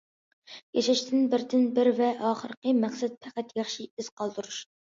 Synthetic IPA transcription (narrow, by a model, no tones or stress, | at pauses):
jeʃɪʃt̪ʰɪnbɪɾt̪ʰɪnbɪɾvɛʔɑːχəɾəqəmæχsɛt̪̚pʰæqæt̪jɑχʃiiz̥qʰɑlˠd̪uɾuʃ